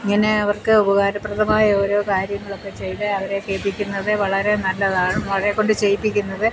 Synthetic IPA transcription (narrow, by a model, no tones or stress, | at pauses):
iŋːɐne̞ɐʋɐrkɨobɐɣaːɾɐprɐt̪ɐmaːjɐo̞ːɾo̞ːkaːɾjɐŋːɐɭo̞kːe̞t͡ɕejʈɨɐʋɐɾe̞keːpːikʲːunːɐðɨʋɐɭɐɾe̞nɐlːɐðaːɳumʋɐɭɐɾekːo̞ɳɖɨt͡ɕe̞jipːikʲːunːɐðɨ